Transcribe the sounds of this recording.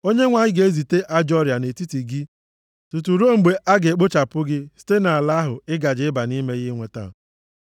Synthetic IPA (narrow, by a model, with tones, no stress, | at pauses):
o˦ɲe˦ŋʷa˨ɲɪ˦ɡe˨˦zi˨te˦ʔa˦d͡ʒɔ˦ɾa˨ne˨ti˦ti˨ɡɪ˦ | tu˨t̬u˨ɾo˦˨ŋ͡m̩˨ɡ͡be˨ʔa˦ɡe˨k͡pʊ˦t͡ʃa˨pʊ˦ɡɪ˦si̥˦te˦na˨a˨la˦ɦʊ˨ɪ˦ɡa˨d͡ʒɪ˦ɪ˦ba˨ni˦me˦ɣɪ˦ŋʷe˨ta̰˦˨